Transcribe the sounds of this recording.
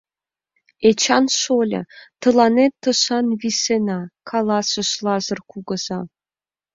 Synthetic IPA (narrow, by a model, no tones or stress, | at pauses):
et͡ɕɑnʃolʲɤ̰t̪ɤ̆lɑnet̪ːɤ̆ʃɑnβisenɑkʰɑlɑsə̆ʃlɑzɤ̆rkuɣɤ̆z̥ɑ